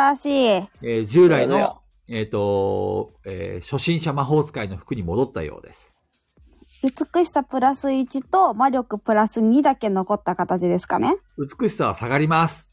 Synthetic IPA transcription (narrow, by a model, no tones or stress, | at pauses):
aɕiːed͡ʑɨːɾaino | eːt̪ːo̞ | ḛɕo̞ɕĩɰ̃ɕamaɦo̞ːzɨ̥kaino̞ɸɯ̟̥kɯ̟ɲ̟imo̞d̪o̞t̪ːa̰jo̞̰ːd̪e̞̰sɨ̥ | ɯ̟t͡sɨ̥kɯ̟ɕi̥sapɯ̟ɾasɨit͡ɕit̪o̞maɾʲo̞kɯ̟pɯ̟ɾasɨɲ̟id̪ake̞no̞ko̞t̪ːakat̪at͡ɕid̪e̞sɨ̥ka̰ne̞ɯ̟t͡sɨ̥kɯ̟ɕi̥saβasaɡaɾʲimasɨ̥